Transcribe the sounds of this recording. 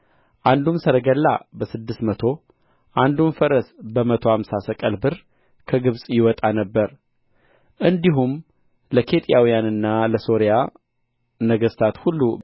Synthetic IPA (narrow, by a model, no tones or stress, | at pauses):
ʔand̪umsəɾəɡəlːa̰bəsɨd̪ːɨst̪mət̪ʰo̞ | ʔand̪umfəɾəsbəmət̪ʰo̞amsasəkʼəlbɨɾ | kʰəɡɨβsʼjɪwɔt̪ʼanəbːəɾ | ʔɨnd̪iɦum | ləkʰe̞t̪ʼijawijanɨnːaləso̞ɾija | nəɡəst̪ʰat̪hulːu